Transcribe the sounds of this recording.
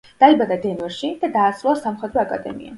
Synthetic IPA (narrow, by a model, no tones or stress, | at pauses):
d̪̥aibad̪ad̪ɛnvɛɾʃid̪̥ad̪aːsɾuasamχɛd̪ɾɔakʼa̰d̪ɛ̰mḭa̰